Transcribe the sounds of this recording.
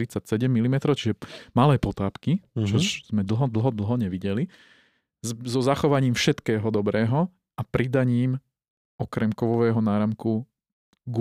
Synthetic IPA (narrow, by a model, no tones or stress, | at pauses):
ɾit͡sacsɛɟɛmːilimɛt̪ɾɔʊt͡ʃiʒɛmalɛːpɔt̪aːpkit͡ʃɔz̥mɛd̪l̩ɦɔd̪l̩ˠɦɔd̪l̩ɦɔɲɛʋiɟɛli | zɔzaxɔʋaɲiːmfʃɛt̪kɛːɦɔd̪ɔbɾɛːɦɔ | apɾid̪aɲiːm | ʔɔkɾɛmkɔʋɔʋɛːɦɔnaːɾamku | ɡ